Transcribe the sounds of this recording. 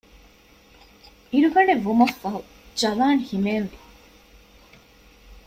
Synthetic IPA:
iɾuɡɐɖeʋumɐfːɐɦu | d͡ʒɐlaːŋhimeːnʋi

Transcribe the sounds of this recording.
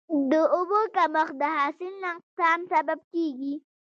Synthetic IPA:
d̪əʊbokaməxd̪əɦɑsɪlnaŋqt̪ɑmsabab̚keɡi

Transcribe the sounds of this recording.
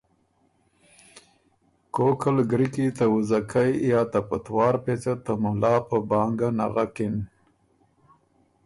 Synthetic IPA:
kokəlɡɾikit̪awuzakʰajjɑːt̪apət̪wɑːɾpet͡sat̪amʊlɑːpəbɑːŋɡana̰ɣakɪn

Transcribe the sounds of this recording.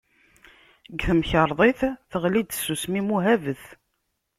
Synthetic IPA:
ɡθəmçəɾˤðˤeθθəʁlid̪sːusmimuɦævəθ

